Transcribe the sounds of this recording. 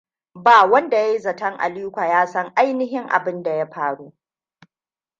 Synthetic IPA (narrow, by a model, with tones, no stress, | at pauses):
baː˨wɐ˦nda˨ja˦jzɐ˨tɐ˦ŋʔa̰˨liː˦kʷa˨jaː˦sɐ˦ŋʔa˦jnɪ˦ɦɪ˦ŋʔa̰˨bɪ˦nda˨ja˦ɸaː˦˨ɽuː˦